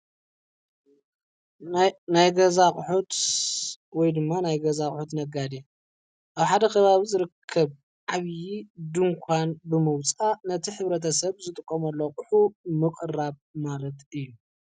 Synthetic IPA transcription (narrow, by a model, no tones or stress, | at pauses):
najɡɐzaχʼʊħut̪ | wɔjd̪ɨmːanajɡɐzakʼħut̪nɐɡad̪e | ʔaβħad̪ɐkʰɐβaβizɨɾɨkʰːɐβ | ʕaβjid̪ɨŋkʷʰanbɨmɨwt͡sʼanɐt̪ʰiħɨβɾɐt̪̬ʰɐsɐβzɨt̪ʼɨkʼːomɐlːokʼʊħumɨkʼraβmalɐt̪ʔɨjːu